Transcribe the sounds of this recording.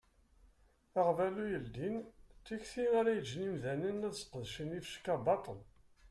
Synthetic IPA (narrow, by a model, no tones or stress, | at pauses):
æʁvælujəld̪int͡sːiçθinaɾæjəd͡ʒːnimðænənæðsqəðʃənifʃkːæbɑt̪ˤəl